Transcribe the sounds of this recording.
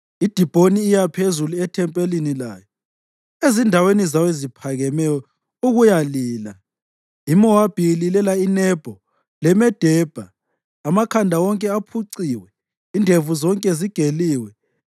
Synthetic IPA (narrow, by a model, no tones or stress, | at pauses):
id̥ʱib̥ʱoniːjapʰezuluɛtʰɛmpʼelinila̰ːjɔ | ezindʱawenizawezipʰaɣɛmɛjɔ | uɣujaliːla | imɔwab̥ʱililɛlainɛb̥ʱɔ | lɛmɛd̥ʱɛb̥ʱaː | makʰandʱawɔŋkʼɛapʰuǀiːwɛ | indʱevuzɔŋkʼɛziɡ̥ʱeliːwɛ